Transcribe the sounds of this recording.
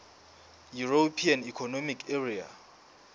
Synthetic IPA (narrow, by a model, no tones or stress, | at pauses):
juropʰianikʰɔnomikʰeria̰